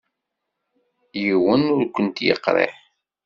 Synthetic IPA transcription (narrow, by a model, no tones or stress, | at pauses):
jiwənʊɾkʷːənt̪jə̰qːɾˤḛħ